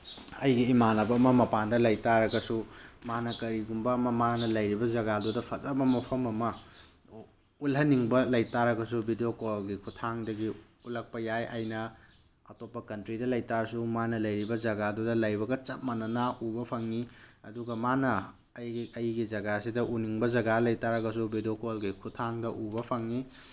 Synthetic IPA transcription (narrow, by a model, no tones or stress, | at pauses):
ɐjɡiːmanɐbɐːmɐmɐpandɐlɐjtaɾɐɡɐsumanɐkɐɾiɡumbɐːmɐmanɐlɐjɾibɐd͡ʒɐɡadudɐpʰɐzɐbɐmɐpʰɐmɐmɐ | ulɦɐniŋbɐlɐjtaɾɐɡɐs̬ubidijokoɡikʰutʰaŋdɐɡi | ulɐk̚pɐjajʔajnɐ | ɐtopːɐkɐntɾidɐlɐjtaɾsumanɐlɐjɾibɐd͡ʒɐɡadudɐlɐjbɐɡɐt͡ʃɐp̚mɐnɐnɐubɐpʰɐŋniɐ̰duɡɐmanɐ | jɐjɡizɐɡasidɐʔuniŋbɐzɐɡalɐjtaɾɐɡɐsubʱidokolɡikʰutʰaŋdɐʔubɐpʰɐŋni